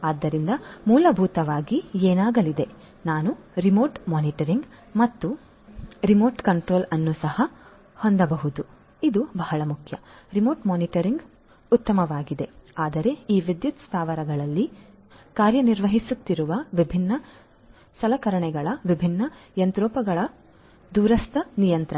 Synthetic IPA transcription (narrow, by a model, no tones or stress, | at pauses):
aːd̪ːɐɾind̪ɐmuːlɐbʱuːt̪ɐʋaːɡieːnaːɡɐlid̪e̞ | naːnuɾimoːɾʈmaːniʈɐɾiŋɡ | mɐt̪ːu | ɾimoːɾʈkɐɳʈɾo̞ːlɐnːusɐhɐ | hond̪ɐbɐɦud̪u | id̪ubɐɦɐɭɐmukʰjɐɾimo̞ːɾʈmaːniʈɐɾiŋɡ | ut̪ːɐmɐʋaːɡid̪e̞aːd̪ɐɾe̞iːʋid̪jut̪st̪ʰaːʋɐɾɐɡɐɭɐlːi | kaːɾjɐniɾʋɐɦisut̪ːiɾuʋɐʋibʱinːɐ | sɐlɐkɐɾɐɳɛɡɐɭɐʋibʱinːɐjɐnt̪ɾɔːpɐɡɐɭɐ | d̪uːɾɐst̪ʰɐnijɐnt̪ɾɐ